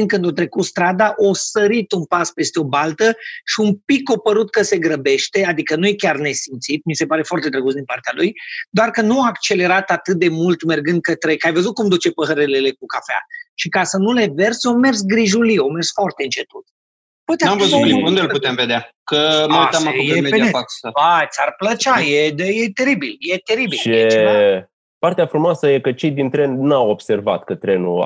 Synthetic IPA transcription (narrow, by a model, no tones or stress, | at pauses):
inkɨnd̪o̞t̪ɾe̞kut̪st̪ɾad̪aʔosəɾit̪unpaspe̞st̪eo̞balt̪əʃiumpikːo̞pəɾut̪̚kəse̞ɡɾəbe̞ʃt̪e̞ad̪ikənuje̞kʲarne̞simt̪sit̪̚mise̞paɾe̞foart̪e̞t̪ɾeɡusd̪inpart̪ealujd̪oarkənuaːkt͡ʃe̞le̞ɾat̪at̪ɨt̪̚d̪e̞mult̪me̞rɡɨnd̪̚kət̪ɾe̞kajvəzut̪̚kumd̪ut͡ʃe̞pəɦəɾelele̞k̚ukafea̰ʃikasənule̞ve̞rsome̞rsɡɾiʒuliome̞rsfoart̪eɨnt͡ʃe̞t̪ut̪ | pojt̪eaamvəuund̪elpuemved̪eakəmət̪amakujemedifaat̪sarplət͡ʃajed̪əjet̪e̞ɾibiljet̪e̞ɾibilʃie | part̪eafɾumoasəje̞kət͡ʃe̞jd̪int̪ɾe̞nnawo̞bse̞rva̰t̪kət̪ɾenṵ